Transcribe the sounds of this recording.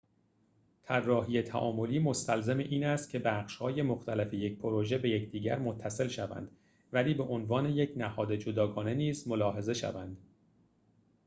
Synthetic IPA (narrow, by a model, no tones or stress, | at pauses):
t̪ʰærːɒːɦijet̪ʰæ̰ʔɒːmo̞liːmo̞st̪ælzeme̞ʔiːnæst̪̚cʲʰe̞bæχʃhɒːje̞moxt̪ʰælefeje̞c̚pʰoɾoʒe̞be̞jecʰd̪iːɟæ̰ɾmot̪ʰːæse̞lʃævæ̰nd̪̥ | væliːbe̞ʔonvɒːne̞je̞cʰnæhɒːd̪e̞d͡ʒod̪ɒːɡɒːne̞niːzmo̞lɒːɦe̞ze̞ʃæ̰vænd̪̥